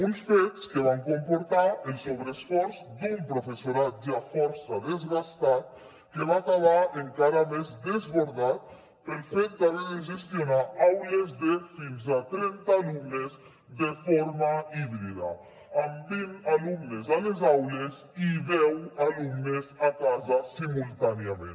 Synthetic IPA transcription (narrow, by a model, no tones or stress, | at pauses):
unsfet̪skeβ̞aŋkompoɾt̪aelsoβɾesfɔɾzd̪umpɾofesoɾat̪̚d͡ʒafɔɾsaðezɣast̪at̪̚ | keβakaβaeŋkaɾamezd̪ezβoɾðat̪̚ | elfet̪̚baβeðeʒest̪jonaawlezðefinzat̪ɾɛnt̪aːlumnez | d̪efoɾmaiβɾiða̰ | ambinalumnezalezawlez | iðɛwalumnezakazasimulˠt̪aneamḛ̃n